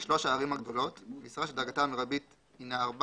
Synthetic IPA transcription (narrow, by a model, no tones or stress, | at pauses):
ʃlo̞ʃaːʁimaɡd̪o̞lo̞t̪misʁaʃeld̪aʁɡatamiʁabit̪ | inaːʁb